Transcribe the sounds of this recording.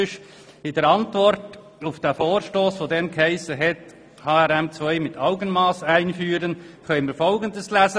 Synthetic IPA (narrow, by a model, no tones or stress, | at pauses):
ɪʃ | ɪdəɾɑntvɔɾt | ʊfd̥ɛfoːɾʃtoːsʋoːdɛnkhæɪsəɦɛt | hɑːɛɾɛmt͡svœɪmɪtɑʊɡənmɑːsaɪnfyːɾən | kœʏnmifɔlɡəndəslæːzə